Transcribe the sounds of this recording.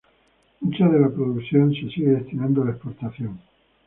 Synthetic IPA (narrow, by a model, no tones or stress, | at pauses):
mut͡ʃaðe̞lapɾoðukθjo̞nse̞siɣeðe̞st̪inãnd̪oalaespo̞ɾt̪aθjo̞ŋ